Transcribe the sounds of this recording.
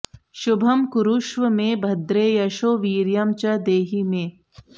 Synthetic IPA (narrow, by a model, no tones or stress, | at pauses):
ʃʊbʱɐmkʊɾuʃʋəmẽbʱɐd̪ɾeːjɐʃoːʋiːɾjɐmt͡ʃɐd̪eːɦimẽː